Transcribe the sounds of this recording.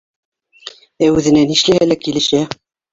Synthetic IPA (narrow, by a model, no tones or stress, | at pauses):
æʉðɘ̆næniʃlæhælækilɘ̆ʃæ